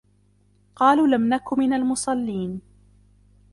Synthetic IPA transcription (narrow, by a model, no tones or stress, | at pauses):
qɑːluːlamnakʊmːɪnalmʊsˤɑlːiːn